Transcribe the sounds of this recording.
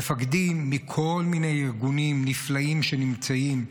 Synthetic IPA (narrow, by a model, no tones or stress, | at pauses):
efaɡd̪imːikʰo̞lmine̞jiʁɡunimniflaimʃe̞nimt͡saim